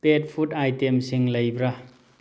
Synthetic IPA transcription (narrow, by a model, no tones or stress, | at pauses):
pet̚pʰutajtemsiŋlɐjbɾa